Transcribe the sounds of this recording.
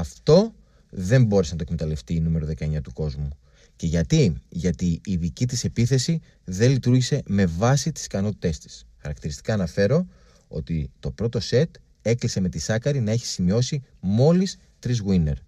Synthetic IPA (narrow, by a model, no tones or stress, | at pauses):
ɐft̪o̞ | ðe̞mbo̞ɾesnɐt̪okme̞t̪ɐle̞ft̪iːnume̞ɾoðe̞kɐeɲɐt̪uko̞zmu | ce̞ʝɐt̪iʝɐt̪iːðicit̪ise̞piθe̞si | ðe̞lit̪uɾʝise̞me̞vɐsit̪i̥skɐno̞t̪i̥t̪e̞st̪i̥sxɐɾɐkt̪iɾist̪i̥kɐːnɐfe̞ɾo̞ | o̞̰t̪it̪o̞pɾo̞t̪ose̞t̪ | e̞klise̞me̞t̪isɐkɐɾinɐe̞çi̥simio̞simo̞lis | t̪ɾizɣwine̞ɾ